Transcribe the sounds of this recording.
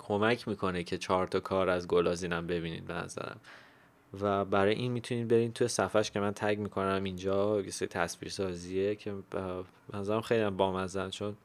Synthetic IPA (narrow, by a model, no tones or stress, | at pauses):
kʰomæcʰmiːkʰo̞necʰe̞t͡ʃʰɒːɾt̪ʰɒkʰɒːɾæzɡolɒːziːnæmbe̞biːnḭːd̪̚benæ̰zæ̰ɾæ̰m | væbæɾɒːjḛʔinmit̪ʰuniːd̪be̞ɾiːnt̪ʰuje̞sæfæʃcʰe̞mænt̪ʰæɟmiːkʰo̞næmind͡ʒɒːjeseɾit̪ʰæsbḭɾsɒːziecʰe | benæzæɾæmχxe̞jliæmbɒːmæzænt͡ʃʰo̞n